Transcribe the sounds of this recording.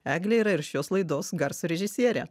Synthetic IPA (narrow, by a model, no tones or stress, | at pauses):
æːɡlʲɛiːɾɐɪɾʃʲoːslˠɐɪd̪oːsɡɐɾsɾʲɛʒʲɪsʲiɛɾʲɛ̰